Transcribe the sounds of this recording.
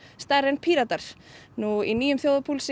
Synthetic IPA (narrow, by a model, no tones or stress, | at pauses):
st̪aɾɛnpʰiːɾat̪aɾ̥ | nuiniːjʏmθjowðapʰuːlsɪ